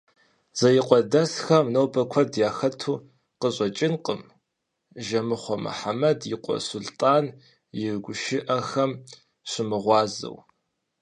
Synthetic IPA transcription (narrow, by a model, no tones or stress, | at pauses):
z̥ɐjɪqʷʼɔdɐsxɐmnɐwbɐkʷʰɔdjaːxɐtʰuː | qəʑʼɐt͡ʃʼɪnqʼəm | ʒɐmɨχʷɔmɨ̰ħamɐdjɪqʷʼɔ̰sʊltʼaːn | jɪrɡʷʊʃɪʔɐxɐm | ɕʷɪmɨʁʷɑːzɨ̰w